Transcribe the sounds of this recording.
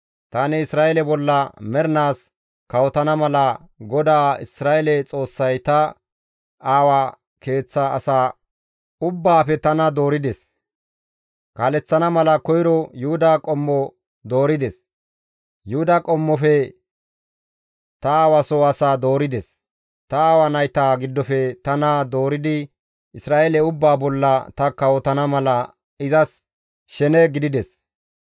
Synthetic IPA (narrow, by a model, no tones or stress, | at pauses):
t̪anɛɪsɾaːʔɛlɛbɔlːɐmɛɾnaːs | kɐwɔt̪ɐnɐmɐlɐ | ɡɔd̪aːɪsɾaːʔɛlɛt͡sʼo̞ːsːɐjt̪ɐ | aːwa | ke̞ːt͡sːa̰ːsaː | ʊbːaːfɛt̪ɐnɐd̪o̞ːɾɪd̪ɛs | kaːlɛt͡sːɐnɐmɐlɐkɔjɾɔjʊhʊd̪akʼɔmːɔ | d̪o̞ːɾɪd̪ɛs | jʊhʊd̪akʼɔmːɔfɛ | t̪ɐawɐsɔɐsaːd̪oːɾɪd̪ɛs | t̪ɐːwɐnɐjt̪aːɡɪd̪ːɔfɛt̪ɐnad̪o̞ːɾɪd̪ɪ | ʔɪsɾaːʔelɛʊbːaːbɔlːɐt̪ɐkːɐwɔt̪ɐnɐmɐlɐ | ɪzɐs | ʃɛnɛɡɪd̪ɪd̪ɛs